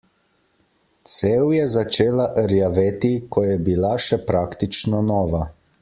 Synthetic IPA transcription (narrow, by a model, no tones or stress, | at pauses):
t̪sewjɛzat͡ʃeːlaʔəɾjaʋeːt̪ikɔjɛbilaʃɛpɾaːkt̪it͡ʃnɔnɔːʋa